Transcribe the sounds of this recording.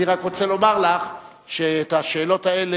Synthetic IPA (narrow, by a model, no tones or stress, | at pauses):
iʁakʁo̞t͡selo̞maʁlaχ | ʃeːtaʃe̞ːlo̞taele